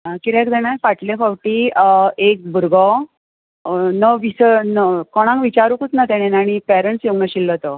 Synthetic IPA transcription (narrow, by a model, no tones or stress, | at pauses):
kiɾɛkd̪ɛɽ̃afaʈlefawʈiek̚bʱuɾɡɔ | nəʋisənəkɔɽ̃ãŋkʋit͡ɕaɾukut͡s̪nat̪ɛɽ̃enaɽ̃ipɛɾəɳʈsjoɡnəɕilːət̪ɔ